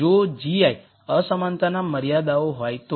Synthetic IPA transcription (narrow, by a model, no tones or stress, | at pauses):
od͡ʒiaj | əsəmant̪anaməɾjad̪aoɦɔjt̪o